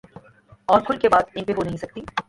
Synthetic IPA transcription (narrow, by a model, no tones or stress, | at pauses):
ɔːɾkʰʊlkebaːd̪ɪ̃npeɦonɐɦĩsɐk̚t̪i